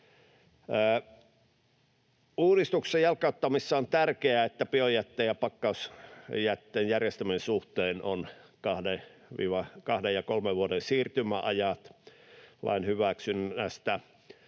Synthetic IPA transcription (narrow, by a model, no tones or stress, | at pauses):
uːɾist̪uksˑejjɑlkɑot̪ːɑmisːɑont̪ærkeæet̪ːæpiojæt̪ːeːjɑpɑkːɑusjæt̪ːeːnjærjest̪æmiensuht̪eːno̰nkɑhdeʋḭːʋɑkɑhdejɑkolmeʋʋuoɾensiːrt̪ymæʔɑjɑt̪ | lɑ̰inhyʋæksynæst̪æ